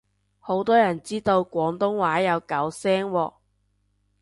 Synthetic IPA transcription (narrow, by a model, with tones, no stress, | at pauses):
ho˨˥wt̪ɔː˥jɐ˨˩nt͡siː˥t̪o˧wkʷɔː˨˥ŋt̪ʊ˥ŋwaː˨˥jɐ˨˧wkɐ˨˥wsɛː˥ŋwɔː˧